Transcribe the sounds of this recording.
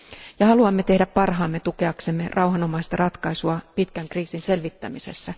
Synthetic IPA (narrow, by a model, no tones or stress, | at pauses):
jɑhɑluɑmːet̪e̞hdæppɑrɦɑːmːet̪ukeɑksemːerʔɑuhɑnomɑist̪ɑrɑt̪kɑisuɑpit̪kæŋkriːsinselʋit̪ːæ̰misḛsːæ